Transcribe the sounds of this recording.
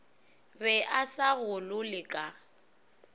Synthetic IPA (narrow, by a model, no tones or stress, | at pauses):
bɛʔasaɣʊlʊlɪkʼa